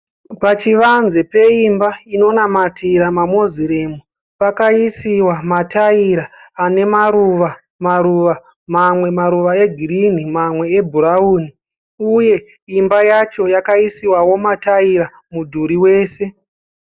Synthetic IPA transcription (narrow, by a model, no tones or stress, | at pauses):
pat͡ʃiʋanzepe̞imbaino̞namatiɾamamo̞ziɾemu | pakaisiwamataiɾaːne̞maɾuʋa | maɾuʋa | mamwe̞maɾuʋae̞ɡʱirin̤imamwe̞ebʱuɾauːni | uje̞ | imbajat͡ʃo̞jakaisiwawo̞mataiɾa | mudʱuɾiwe̞ːse̞